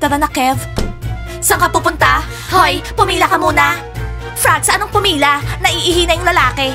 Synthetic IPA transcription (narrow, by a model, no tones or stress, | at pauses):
t̪ɐɾɐnɐkɛv | sɐŋkɐpupʊnt̪a | hojpʊmiːlɐkɐmuːnɐ | fɾaɡ̪̚sɐʔɐnoŋpʊmiːlɐnɐʔɪʔɪɦiːnɐjʊŋlɐlaːkɛ